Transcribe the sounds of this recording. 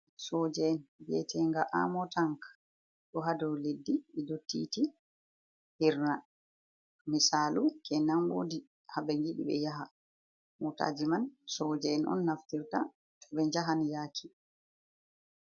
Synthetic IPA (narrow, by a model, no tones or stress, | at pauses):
sɔd͡ʒɛnbɛ̰tʰɛŋɡaʔa̰mɔtaŋka | ɗɔɦadɔwledːiɛdotːḭːti | hiɾna | misalukʰɛnamwo̰ːdi | habɛŋɡiɗḭɓɛ̰jaɦa | muta̰ːd͡ʒimansɔd͡ʒɛɛnʔɔ̰nːaftiɾta | tʰɔɓɛɲd͡ʒaɦanjaːkʰi